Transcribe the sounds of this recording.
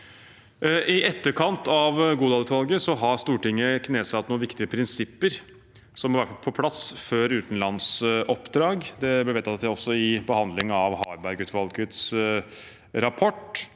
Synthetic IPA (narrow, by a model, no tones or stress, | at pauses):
ɪʔɛt̪ːəɾkʰɑnt̪ʰɑʋɡuːd̪ɑlʉːt̪ʋɑlɡəsɔɦɑɾst̪uːʈɪŋːəkʰneːsɑt̪ːnuːnʋɪkt̪ɪəpʰɾɪnsɪpːəɾ | sɔmhɑɾʋæʈpʰɔpʰlɑsføːɾʉːt̪n̩lɑnsʔɔpːd̪ɾɑːɡd̪ɛblɛʋɛːt̪ʰɑt̪t̪ɔsːɔɪbəhɑnd̪lɪŋɑʋhɑːɾbæɾɡʉːt̪ʋɑlɡət̪s | ɾɑpʰɔʈ